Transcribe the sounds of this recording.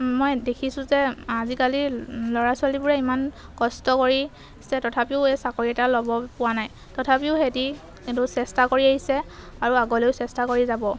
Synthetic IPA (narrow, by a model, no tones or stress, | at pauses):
mojdekʰisʊ̃zɛazikalilɔɹasʊalibʊɹɛimankɔstɔkoɹi | sɛtɔtʰapiʊɛsakoɹiɛtalɔbɔpʊwanaj | tɔtʰapiʊxeti | kintusɛstakoɹiaɦisɛaɹuaɡɔlejʊsɛstakoɹizabɔ